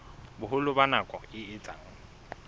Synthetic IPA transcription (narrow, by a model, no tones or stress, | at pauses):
bʊɦʊlʊbanakʼɔɪɪt͡sʼaːŋ̩